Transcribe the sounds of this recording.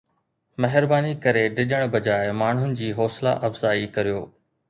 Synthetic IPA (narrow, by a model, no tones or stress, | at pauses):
mɐɦɪɾbaːnikɐɾeɖɪʄəɽ̃bɐd͡ʑaːɪmaːɳ̤ɦʊnɪ̆d͡ʑiːɦɔːsla̰ʔɐfz̥aːikɐɾijoː